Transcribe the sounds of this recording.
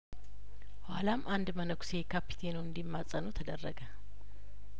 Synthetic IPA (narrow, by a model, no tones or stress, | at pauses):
walamʔand̪mənəkʰu̥sekʰapːi̥t̪ʰenuɨnd̪imːasʼənut̪ʰəd̪ərːəɡə